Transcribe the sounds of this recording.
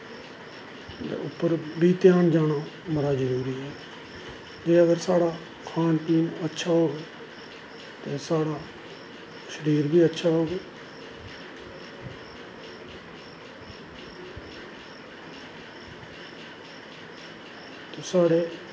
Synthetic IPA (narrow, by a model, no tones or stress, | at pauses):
t̪ḛːʊpːəɾbiːt̪ɪjaːnd͡ʒaːnaː | məɾaːd͡ʒəɾuːɾiːɦɛː | d͡ʒeːəɡəɾsaːɽaː | kʰaːnpiːnətːʃʰaːɦoːɡeː | t̪eːsaːɽaː | ʃəɾiːɾbiːətːʃʰaːɦoːɡeː | t̪oːsaːɽeː